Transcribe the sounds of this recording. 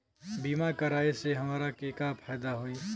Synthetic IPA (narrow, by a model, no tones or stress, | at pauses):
biːmakɐɾaːeseɦɐmaːɾakeːkaːpʰɛːd̪aɦoːĩː